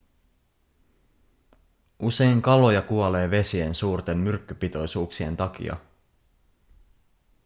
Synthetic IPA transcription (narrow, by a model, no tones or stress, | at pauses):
ʔuse̞jŋkɑlo̞jɑkuole̞ːʋe̞sie̞nsuːrt̪e̞mːyrkːypit̪o̞jsuːksie̞nt̪ɑk̟ḭɑ̰